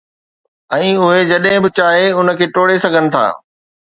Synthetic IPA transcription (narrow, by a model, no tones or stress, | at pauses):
ɛ̃ːʊɦed͡ʑɐɗɦɪ̃bɪt͡ɕaːɦeʊnə̆kʰeːʈoːɽesɐɡʱənɪ̆t̪ʰa̰ː